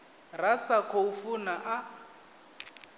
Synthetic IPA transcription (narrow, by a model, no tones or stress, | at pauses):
rasakʰɔufunaʔa